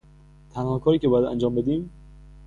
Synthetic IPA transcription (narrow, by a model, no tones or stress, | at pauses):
t̪ʰænhɒkʰɒːɾiːcʰe̞bɒːjæd̪æ̰nd͡ʒɒːmbe̞d̪iːm